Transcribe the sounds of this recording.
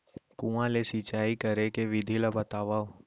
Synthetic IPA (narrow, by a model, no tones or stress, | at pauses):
kũãlesit͡ʃaːikəɾekeʋɪd̪ʱilabət̪aːʋaːo